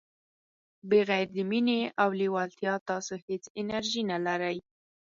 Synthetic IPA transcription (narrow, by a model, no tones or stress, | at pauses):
beɣajɾd̪ɪmineawliwɑlt̪jɑt̪ɑsohet͡sɪnaɾʒinalaɾaj